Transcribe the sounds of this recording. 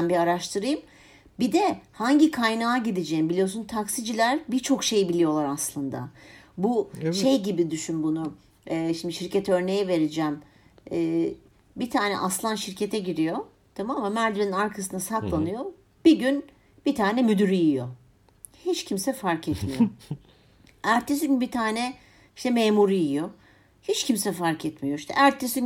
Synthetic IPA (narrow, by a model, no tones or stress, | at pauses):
nbiaɾaʃt̪ʰɯɾɯjɯm | bid̪ɛhaɲɟikʰajnaːɟid̪ed͡ʒejimbilʲijo̞s̬unt̪ʰaksid͡ʒilʲæɾbit͡ʃʰo̞kʃe̞jbilʲijo̞lˠaɾaslˠɯnd̪a̰buʃejɟibid̪yʃynbunʊ | ɛːʃimd̪iʃiɾcʰet̪ʰɛø̞ɾne̞jɛve̞ɾid͡ʒɛm | ɛː | bit̪ʰaːnɛ̰ʔaslˠanʃiɾcʰe̞t̪ʰɛɟiɾijo̞ | t̪ʰamamamːæɾd̪iɾeninaɾkʰas̬ɯnasat̪lˠanɯjo̞ | b̥iɟyn | b̥it̪ʰaːnɛmyd̪yɾijijo̞ | hit͡ʃcʰimsɛfaɾkʰɛt̪mijo | æɾt̪ʰːes̬iɟynbit̪ʰaːnɛ | iʃt̪ɛmeːmuɾijijo̞ | hit͡ʃcʰimsɛfaɾkʰɛt̪mijo̞iʃt̪ʰɛ̰ʔæɾt̪ʰːesi